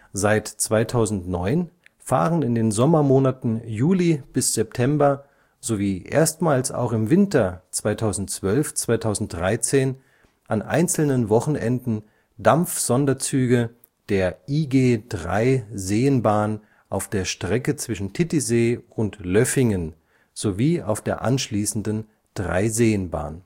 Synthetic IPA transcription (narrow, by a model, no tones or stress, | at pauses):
zaɪtt͡sv̥aɪtʰaʊzn̩tnɔʏn | fa̰ːʁənɪndeːnzɔmɐmoːnatn̩juːlib̥ɪsz̥ɛp̚tʰɛmbɐ | z̥oviːʔḛːɐstmaːlsa̰ʊxɪmvɪntɐt͡sv̥aɪtʰaʊzn̩tt͡sv̥œlft͡sv̥aɪtʰaʊzn̩t̚d̥ʁaɪt͡seːn | ʔanʔa̰ɪnt͡sl̩nənvɔχn̩ʔɛ̰ndn̩ | damp͡fz̥ɔndɐt͡syːɡə | d̥eːɐʔiːɡeːd̥ʁa̰ɪzeːənbaːn | ʔaʊfd̥eːɐʃtʁ̥ɛkət͡sv̥ɪʃn̩tʰɪtizeːʊntlœfɪŋən | z̥oviːa̰ʊfd̥eːɐʔa̰nʃliːsn̩dən | d̥ʁa̰ɪzeːənba̰ːn